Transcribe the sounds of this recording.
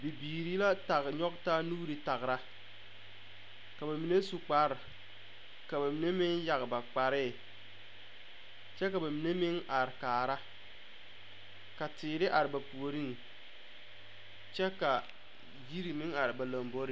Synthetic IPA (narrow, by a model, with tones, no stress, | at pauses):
bi˨biː˨ɾi˦la˦ta˨ɣɲɔ˦kta˦nuː˦ɾi˨ta˨ɣɾa˦ | ka˨ba˨mi˨ne˦su˨k͡pa˨ɾ | ka˨ba˨mi˨ne˦mɪ˦ŋja˨ɣba˨k͡pa˨ɾɪ˦ | t͡ʃɛ˦ka˨ba˨mi˨ne˦mɪ˦ŋa˨ɾɪ˨kaː˨ɾa˦ | ka˨tɪː˨ɾɪ˦ʔa˨ɾɪ˨ba˨pu˨o˨ɾi˦ŋ | t͡ʃɛ˦ka˨ | ji˦ɾi˨mɪ˦ŋa˨ɾɪ˨ba˨la˨mbo˦ɾɪ˦